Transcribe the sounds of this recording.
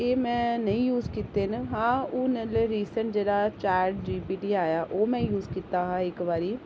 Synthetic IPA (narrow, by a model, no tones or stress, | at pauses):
eːmɛ̃ːnəĩːjuːzkiːt̪eːnɦãːʊːnəleɾiːsəɳʈ̚d͡ʒeːɽaːt͡ʃaːɾɖɾiːpiːʈiːaːjaːʔoːmɛ̃ːjuːzkiːt̪aːɦãːɪkʋaːɾiː